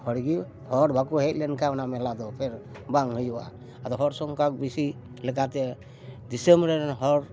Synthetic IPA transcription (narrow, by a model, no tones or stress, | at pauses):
hɔɾɡi | hɔɾbʱakuɦɛt̚lɛnkaɔnamɛlad̪ɔpʰɛɾ | baŋhɯjɔʔa̰ | ad̪ɔɦɔɾsɔŋkak̚bisi | lɛkat̪ɛ | d̪isembɾeɾnɦɔɾ